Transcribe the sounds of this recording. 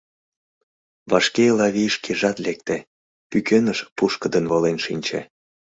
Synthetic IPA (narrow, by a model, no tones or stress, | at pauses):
βɑʃkelɑβiʃkeʒɑt̪lek̚t̪e | pykønəʃpuʃkəd̪ənβolenʃinʲt͡ɕḛ